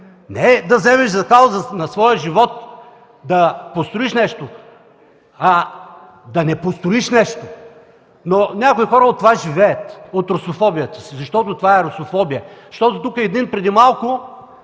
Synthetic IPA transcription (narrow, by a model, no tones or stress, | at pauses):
nɛd̪ɐzɛmɛʃzɐkalˠzɐnɐsvɔjəʒivɔt̪ | d̪ɐpost̪ɾʊiʃnɛʃt̪o | ɐ | d̪ɐnɛpost̪ɾʊiʃnɛʃt̪o | nonʲakoixɔɾəot̪ːovaʒivɛɛt̪ot̪ɾosofɔbijət̪ə̥sizɐʃt̪ɔt̪ʊt̪ovaɛɾosofɔbijəʃt̪ɔt̪ot̪ukəɛɛd̪inpɾɛd̪imalˠkʊ